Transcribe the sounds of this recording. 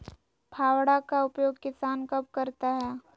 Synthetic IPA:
pʰaːwɽakaʊpjoːɡkɪsaːnkɐpkɐɾt̪aɦɛː

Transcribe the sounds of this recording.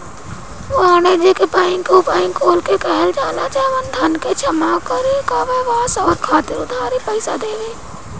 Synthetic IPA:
ʋãːned͡ʒekepaːɪ̃ŋkopaːɪ̃ŋkoːlkekɛɦɛld͡ʒaːlat͡ʃaɛʋənd̪ʱɐnket͡ʃʰəmakəɾekaʋeʋaːsɔːɾkʰaːt̪ɪɾʊd̪ʱaːɾepəɪsad̪eːʋeː

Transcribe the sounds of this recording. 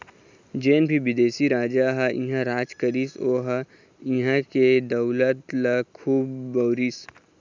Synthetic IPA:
d͡ʒeːnbʱiʋɪd̪eːsiɾaːd͡ʒaɦɐʔĩɦãɾaːd͡ʒkɐɾiːsoːɦa | ĩɦãked̪ɐwlət̪lɐkʰuːbːɐwɾiːs

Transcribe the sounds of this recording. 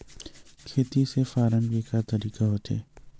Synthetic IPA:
kʰeːt̪isefaːɾəmɡiːkat̪əɾiːkaɦoːt̪ʰḛː

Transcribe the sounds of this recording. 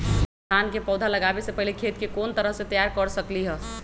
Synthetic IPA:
ankepɔd̪ʱaləɡabesepəɦlekʰet̪̚kekont̪əɾəɦsẽt̪əjaɾkəɾsəkliɦə

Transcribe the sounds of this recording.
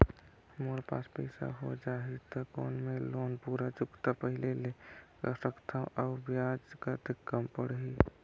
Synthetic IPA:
moɾpa̰ːspɛ̰ɪsa̰ɦod͡ʒaːɦit̪ɔko̰ːnmẽloːnpuːɾat͡ʃʊkt̪apəɦɪleleksəkt̪ʰaʔaːbjad͡ʒkat̪ɪkːəmpəɽɦi

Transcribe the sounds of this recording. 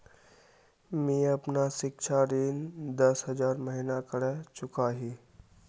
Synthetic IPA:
mĩəpnasɪkt͡ʃʰaɾiːnd̪əsɦəd͡ʒaːɾməɦinakəɽɛt͡ʃʊkaɦiː

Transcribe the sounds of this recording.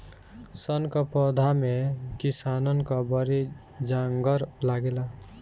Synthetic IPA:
sʌnkʌpɔd̪ʱamekisanʌnkʌbʌɾi | d͡ʒaŋɡʌɾlaɡela

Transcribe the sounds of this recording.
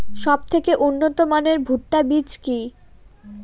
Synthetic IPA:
ʃɔb̚t̪ʰekeʔunːot̪omaneɾbʱuʈːabit͡ɕki

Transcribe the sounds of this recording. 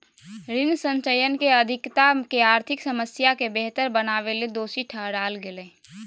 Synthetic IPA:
ɾɪnsə̃ɲt͡ʃəjənkeəd̪ʱɪkt̪akeaːɾt̪ʰɪksəməsjakebeɦt̪əɾbənaːʋeled̪oːsiʈʰəɦɽaːlɡeleː

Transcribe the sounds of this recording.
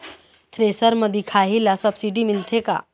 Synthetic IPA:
t̪ʰɾesəɾməd̪ikʰaɦilasəbsiɖimilt̪ʰeka̰

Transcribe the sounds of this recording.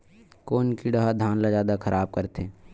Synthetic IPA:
koːnkiɖəɦad̪ʱaːnlazjaːd̪akʰəɾʔaːb̚kəɾt̪eː

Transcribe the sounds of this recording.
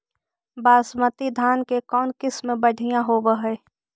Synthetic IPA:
baːsmət̪id̪ʱaːnkekɔːnkɪsmẽbəɽʱɪjãɦobəɦɛː

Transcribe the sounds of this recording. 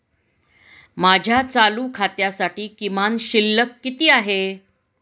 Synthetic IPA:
mad͡ʑʱjat͡saluːkʰat̪jasaʈiːkimanɕilːəkːit̪iːaɦe

